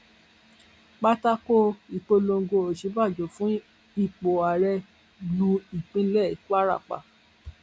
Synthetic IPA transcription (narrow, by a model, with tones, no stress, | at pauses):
k͡pa˦ta˦ko˦i˨k͡po˧lo˧ŋ˦ɡo˧o˨ʃi˨˦ba˦˨d͡ʒo˨fũ˨˦ | i˦˨k͡po˨a˨ɾɛ˧ | lũ˧i˨k͡pĩ˦lɛ˦˨i˨k͡pa˦ɾa̰˦˨k͡pa̰˨